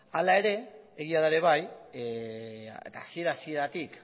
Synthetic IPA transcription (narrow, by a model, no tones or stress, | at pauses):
alae̞ɾe̞ | eɣ̞iaðaeɾe̞β̞aj | ḛt̪a̰ːsie̞ɾaːsieɾat̪ik